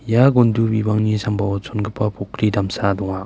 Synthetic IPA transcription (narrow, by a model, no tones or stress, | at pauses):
jaɡondubibaŋnisambawɔsʰonɡɯpːapʰokʰɾidamsadɔŋa